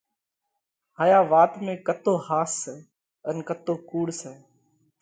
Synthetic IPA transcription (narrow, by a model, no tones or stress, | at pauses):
ɦaːjaːʋaːt̪mẽːkət̪oːhaːsə | ənkət̪oːkuːɽsəː